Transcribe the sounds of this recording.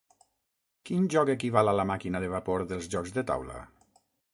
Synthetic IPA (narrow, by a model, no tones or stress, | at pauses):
kinʒɔkekiβalalamakinaðeβapoɾðəlˠzʒɔkzd̪ət̪a̰wla̰